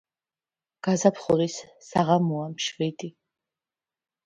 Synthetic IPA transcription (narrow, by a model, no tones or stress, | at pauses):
ɡ̥azapʰχuɾisːaʁamuamʃvid̪ʼi